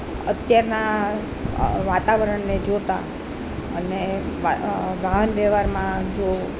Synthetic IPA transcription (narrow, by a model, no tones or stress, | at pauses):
ət̪jaɾna | ʋat̪aʋəɾəɳned͡ʒot̪a̰ | əneaɡaɦənʋɛʋaɾmãd͡ʒo